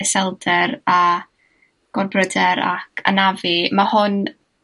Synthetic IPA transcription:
ɛsɛlˠdɛɾa | ɡ̥ɔrbrədɛɾa̰kʰa̰navimahʊn

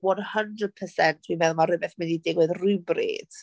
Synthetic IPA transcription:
wɔnhəndrəd̥̚pʰəsɛntʰwimɛðˠmaɾɪbɛθmɪnidɪɡwɨðrubrḛːd̥

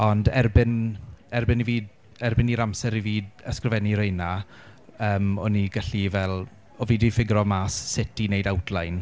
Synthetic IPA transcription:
ɔndɛrbɪnɛrbɪniviːd | ɛrbɪniɾamsɛɾiviːdəskrɪvɛniɾejna | əːmɔniɡaɬivɛlˠ | ɔviːdifɪɡɾɔmaːsːɪtinejdawtʰlajn

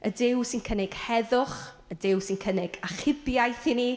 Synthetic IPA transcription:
ədɪwsɪnkʰənɪɡ̥hɛðʊχ | ədɪwsɪnkʰənɪɡaχɪbjajθini

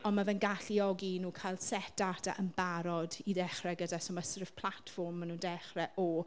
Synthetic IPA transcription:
ɔnmavɛnɡaɬiɔɡinuːkʰajlˠd̥sɛtatʰa̰ʔənbaɾɔdidɛχrɛɡədasoːmasərv̥pʰlˠatfɔrmːanuːndɛχrɛʔɔ

